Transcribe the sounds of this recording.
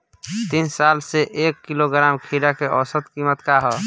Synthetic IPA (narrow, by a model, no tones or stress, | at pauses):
t̪insaːlseʔeːkːiloɡɾaːmkʰiːɾakeʔɔːsət̪kimət̪kaɦɔ